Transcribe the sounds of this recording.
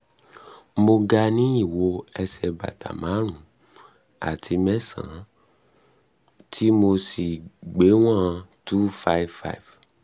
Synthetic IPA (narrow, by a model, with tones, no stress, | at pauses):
mo˧ɡa˧nĩ˦i˦˨wo˧ɛ˧sɛ˧ba̰˨ta̰˨mã˨˦ɾ̃ũ˨ | a̰˨tʰi˧mɛ˦sã̰˨˦ | tʰi˦mo˧si˨ɡ͡be˨˦w̃ã˦˧tu˦fa˦˨vfa̰˦jv